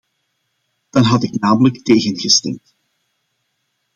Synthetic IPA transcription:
d̥ɑnɦɑtɪknaːmələkteːɣənɣəstɛ̰mt

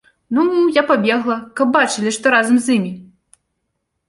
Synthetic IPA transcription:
nuujapabʲɛɣlˠɐkɐb̚bat͡ʂɨlʲiʂt̪ɔɾazɐmzʲimʲi

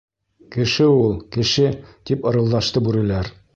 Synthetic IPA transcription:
kɘ̆ʃɘulˠkɘ̆ʃɘt̪ipŏɾɤ̆lˠd̪ɑʃt̪ɤbʉɾɘ̆læɾ

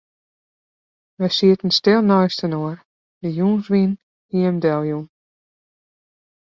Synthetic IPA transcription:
ʋəjsiətən̩stɪlˠnɔjstənoər | dəjuːnzʋin | hiəmdɛlˠjun

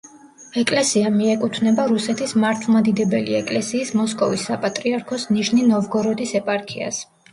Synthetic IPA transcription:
ɛkʼlɛsiamiɛkʼut̪ʰnɛbaɾusɛt̪ʰismaɾt̪ʰvlˠmad̪id̪ɛbɛliɛkʼlɛsiːsmɔskʼɔvisːapʼat̪ʼɾiaɾkʰɔsniʃninɔvɡɔɾɔd̪isɛpʼaɾkʰia̰s

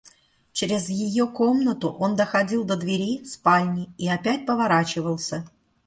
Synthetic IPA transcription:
t͡ɕeɾʲɪzjɪjokomnət̪ʊʔo̞nd̪əxɐdʲilˠd̪əd̪vʲɪɾʲispalʲnʲɪiɐpʲæt̚ʲpəvɐɾat͡ɕɪvəlˠsʲə

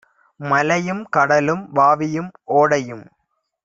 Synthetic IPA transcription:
mɐlɐjɯmkɐɽɐlɯmbaːʋɪjɯmʔoːɽɐjɯm

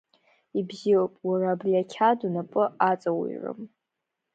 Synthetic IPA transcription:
ibziopʼwaraːbriakʲʰadunapʼɨat͡sʼawḭrɨ̰m

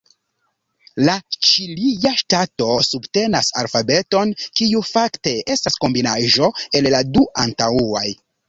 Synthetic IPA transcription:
lat͡ʃilijaʃtato̞subte̞nasa̰lfabe̞to̞nkiufakte̞e̞stasko̞mbinaʒo̞e̞lladuʔantauaj

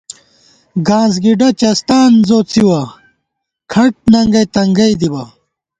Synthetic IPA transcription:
ɡaːnzɡiɖɐt͡ɕɐst̪aːnzoːt͡siwɐ | kʰɐʈ̚nɐŋɡɐjt̪ɐŋɡɐjd̪ibɐ

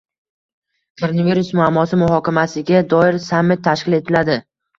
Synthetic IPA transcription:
kʰoɾonaviɾusmʊamːɒsɪmʊɦɒkʲamasɪɡʲad̪ɒɪɾsamːɪt̪ːʰaʃkʲɪle̞t̪ʰɪlad̪ɪ

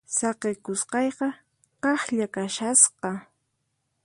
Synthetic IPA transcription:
sɑqekʊsqɑjqɑ | qɑχʎakaʃasqɑ

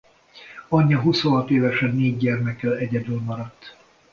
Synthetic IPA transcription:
ɒɲːɒɦusoɦɒt̪eːvɛʃɛnːeːɟːɛrmɛkɛlɛɟɛd̪ylmɒɾɒt̪ː

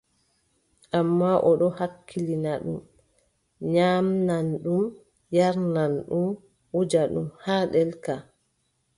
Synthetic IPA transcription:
ʔamːaʔɔɗɔhakʰːilinaɗum | ɲaːmnanɗum | jaɾnanɗum | wud͡ʒaɗṵmhaɗɛlka

